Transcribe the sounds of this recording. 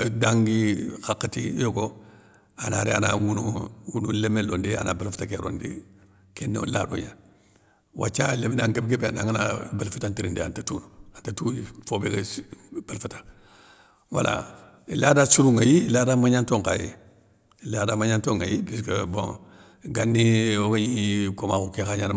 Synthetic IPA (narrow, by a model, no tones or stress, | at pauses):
daŋɡixakːatijoɡo | anaɾea̰nawunuwunulemelondia̰nabalfutakeɾo̰ndḭ | kenːeo̰la̰dṵɲa | wa̰t͡ʃalemenaŋkebkebeanaŋanabalfutantiɾindia̰ntatuːnuantatuifobeɡab̥alfutḁ | wa̰la̰ | iladasuɾuŋajiladamaɲantoŋka̰jḭ | ladamaɲantoŋajibiskebõ̰ŋ | ɡanːioɡaɲikomakukekaɲan